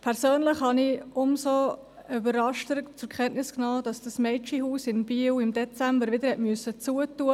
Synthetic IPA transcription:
pʰɛɾsøːnləχhɑniʊmso | ybəɾɑʃtəɾt͡sʊɾkχɛnʔnɪsknɑːd̥ɑsd̥ɑsmɛɪt͡ʃiɦuːsɪnbiːwɪmdɛt͡sæmbəɾʋɪd̪əɾhɛtmyøəsət͡suːətːuə

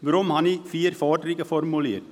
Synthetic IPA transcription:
ɡɾɔmhɑnifiːɾfɑːʈɾiːkəfɔɾmʊleːəɾ

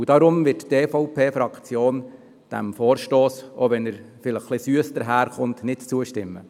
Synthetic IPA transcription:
udɑɾʊmʋɪtteːfɔʊpʰeːfɾɑkt͡sjoːn | d̥æ̰mfoːɾʃtoːso̰ʋɛnəɾ | fɪləχːlɪsyəsd̥̪əɾɦæːɾχʊntnɪtt͡suəʃtɪmːə̰

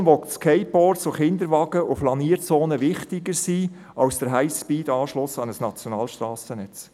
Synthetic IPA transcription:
mʋɔkskʰɛɪpɔɾtsoχɪnd̪əɾʋɑːɡ̥əʔʊflɑniːɾt͡soːnəʋɪχtɪɡəɾsiː | ɑwsd̥əɾɦæɪspiːdɑːʃlʊsɑnəsnɑt͡sjɔnɑːlʃtrɑːsənɛt͡s

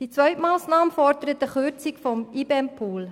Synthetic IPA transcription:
d̥it͡sʋœʏtmɑːsnɑːməfɔrdəɾətəχøt͡sɪkfɔmibeɛmpʰuːl

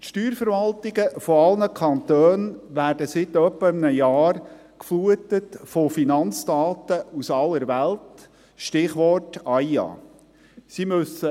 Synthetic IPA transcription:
tʃtyːɾfəɾʋɑltɪɡəfɔɑlnəkʰɑnt̪øːnʋæːrdəsɪt̪œpːəəmnəjɑːr | kfluətətfofinɑnt͡stɑːtəusɑlːəɾʋælt | ʃtɪχʋɔrtɑjɑ̰ː | simɵsə

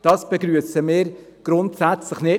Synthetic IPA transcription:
d̥ɑːsb̥ɛɡɾyəsəmɪːɾɡ̥ɾʊntsæt͡sləχnɪ

